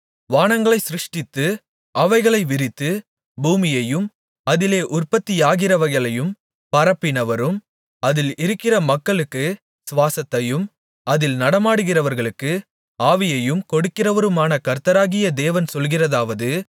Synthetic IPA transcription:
ʋaːnɐŋɡɐɭɐɪsɪɾɯʂʈɪt̪ːɯ | ʔɐʋɐɪɣɐɭɐɪʋɪɾɪt̪ːɯ | buːmɪjɐjɯm | ɐðɪleːʔʊrpɐt̪ːɪjaːɣɪrɐʋɐɪɣɐɭɐjɯm | pɐɾɐpːɪnɐʋɐɾɯm | ɐðɪlɪɾɯkːɪrɐmɐkːɐɭɯkːɯ | sʋaːsɐt̪ːɐjɯm | ɐðɪlnɐɽɐmaːɽɯɣɪrɐʋɐɾɣɐɭɯkːɯ | aːʋɪjɐjɯmkɔɽɯkːɪrɐʋɐɾɯmaːnɐkɐɾt̪ɐɾaːɣɪjɐd̪eːʋɐnsɔlɣɪrɐðaːʋɐðɯ

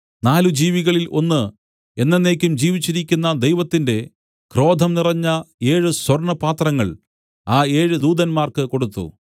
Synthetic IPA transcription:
naːlud͡ʑiːʋiɣɐɭilʔo̞̰nːɨ | e̞nːenːe̞ːkʲːumd͡ʑiːʋit͡ɕːiɾikʲːunːɐd̪ejʋɐt̪ːinde̞ | kro̞ːd̪ʱɐmnirɐɲːɐe̞ːɻɨswɐrɳɐpaːt̪rɐŋːɐɭ | aːe̞ːɻɨd̪uːd̪ɐnmaːrkɨko̞ɽut̪ːṵ

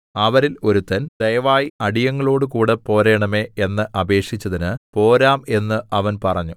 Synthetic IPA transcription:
ɐʋɐɾilo̞ɾut̪ːɐnd̪̥ɐjɐʋaːjiɐɽijɐŋːɐɭo̞ːɽɨkuːɽepo̞ːɾeːɳɐme̞ːenːɨʔɐbe̞ːʂit͡ɕːɐðinɨpo̞ːɾaːme̞nːɨʔɐʋɐnpɐrɐɲːu

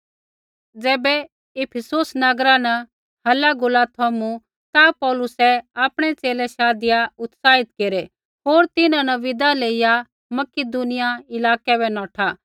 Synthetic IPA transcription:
d͡zɛːbɛ | ɪpʰəsoːsnɐɡɾanɛ | ɦɐlaɡʊlat̪ʰomũ | t̪apɔːlʊsɛaːpɽ̃ɛt͡seːlɛʃaːd̪ɪjaʊt̪saːɦɪt̪keːɾe | ɦoːɾt̪ɪnãnɛʋɪd̪aleːɪja | mɐkɪd̪unɪjaɪlaːkɛbɛnɔːʈʰa

